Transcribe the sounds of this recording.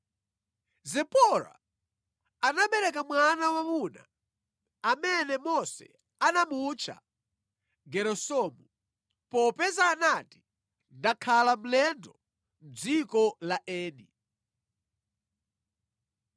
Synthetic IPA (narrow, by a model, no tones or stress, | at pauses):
zɛpɔɾa̰ | anaɓɛɾɛk̬amwanawamuna | amɛnɛmɔsɛ̰ | anamut͡ʃʰa̰ | ɡɛɾɔsɔmu | pɔpɛzaːnati̥ | ndakʰalam̩lɛndɔ | m̩d͡zikɔlaʔɛːnḭ